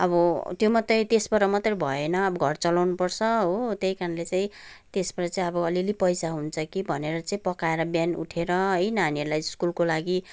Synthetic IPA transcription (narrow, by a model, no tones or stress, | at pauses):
ʌbʌt̪jomʌt̪rʌjt̪esbʌɾʌmʌt̪rʌbʱʌenʌːbʌɡʱʌrt͡sʌlawnupʌrt͡sʰʌɦot̪jʌjkaɾʌnlet͡sãĩt̪esbʌɾʌt͡saĩʌbʌʌlilipʌjsaɦunt͡sʰʌkibʱʌneɾʌt͡saĩpʌkaeɾʌbjanṵʈʰeɾʌɦʌjnʌːniʌɾulajskulkolaɡi